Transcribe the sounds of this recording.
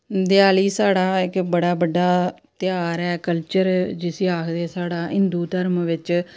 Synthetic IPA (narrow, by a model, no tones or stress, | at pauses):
d̪ɪjaːliːsaːɽaːɪkbəɽaːbəɖːaː | t̪jaːɾɛːkəlt͡ʃəɾd͡ʒɪseːaːkʰd̪eːsaːɽaːɦɪnd̪uːt̪əɾmʋɪt͡ʃ